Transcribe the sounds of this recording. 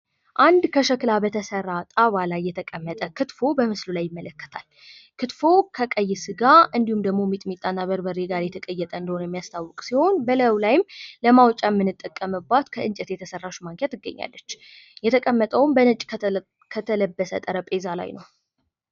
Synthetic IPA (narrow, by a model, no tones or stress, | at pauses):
ʔand̪kʰəʃəklabət̪ʰəsərːat̪ʼaβalajːɛt̪ʰəkʼəmːət̪ʼəkʰɨt̪fo̞bəmɨslulajːɪmːələkːə̥t̪ʰal | kʰɨt̪fo̞kʰəkʼəjːɪsɨɡaʔɨnd̪ihumd̪əɡmo̞mit̪ʼmit̪ʼːanːaβəɾbəɾeɡaɾjɛt̪ʰəkʼəjːɛt̪ʼəɨnd̪əhonəjɛmːijast̪ʰawːɔkʼsiho̞nbələwlajɪmləmawt͡ʃʼamːɨnːɨt̪ʼːəkʼːəmɨbːat̪kʰəʔɨnt͡ʃʼɛt̪jɛt̪ʰəsərːaʃmaŋkʰat̪ɨɡːə̰ɲːa̰lːət͡ʃː | jɛt̪ʰəkʼəmːət̪ʼəwmbənət͡ʃʼ | kʰət̪ʰələbːəsə̰t̪ʼəɾəpʼe̞zala̰jnəw